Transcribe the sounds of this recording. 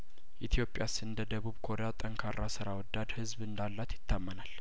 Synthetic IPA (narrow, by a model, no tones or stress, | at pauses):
ʔit̪ʰijo̞pʼjasɨnd̪əd̪əβuβkʰo̞ɾejat̪ʼəŋkʰarːasɨɾawɔd̪ːad̪hɨzβɨnd̪alːat̪jɪt̪ʰːamːənal